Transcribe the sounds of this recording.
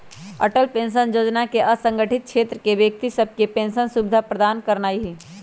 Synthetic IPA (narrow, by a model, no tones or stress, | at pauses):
ə̰ʈəlpẽːnʃənjoːd͡ʒnakeʔəsə̃ŋɡəʈʰɪt̪̚t͡ʃʰeːt̪ɾəkeʋjek̚t̪isəb̚ʱkepẽːnsənsubɪd̪ʱapɾəd̪aːnkəɾnaːiɦiː